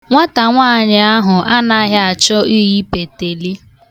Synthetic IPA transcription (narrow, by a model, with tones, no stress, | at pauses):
ŋʷa˦ta˨ŋʷaː˦˨ɲɪ˨a˦ɦʊ˨ʔa˦na˦ɦɪ˦a˨t͡ʃʊ˦ʔi˦ɣi˦pe˨te˨li˦